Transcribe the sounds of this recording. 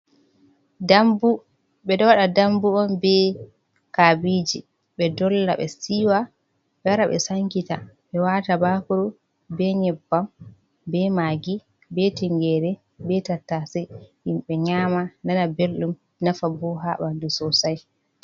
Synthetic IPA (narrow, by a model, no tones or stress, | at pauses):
dambu | ɓɛɗɔwaɗadambuɔnbɛ | kabiːd͡ʒi | ɓɛdɔlːa̰ɓɛ̰siwa | ɓɛwaɾaɓɛ̰saŋkita̰ɓɛwatabakuɾu | bɛɲɛbːam | bɛmaːɡi | bɛtiŋɡɛɾɛ | bɛtatːasɛhimɓɛɲaːmananabelɗum | nafabɔɦaɓandusɔsaj